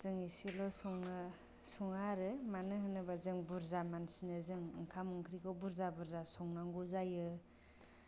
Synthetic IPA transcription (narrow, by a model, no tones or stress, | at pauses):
z̥ɯŋisilɔsɔŋnɯ | sɔŋaɾɯmanɯɦɯnɯbazɯŋbuɾzamansinɯzɯŋɯŋkʰamuŋkʰɾikʰɔbuɾzabuɾzasɔŋnaŋɡuzajɯ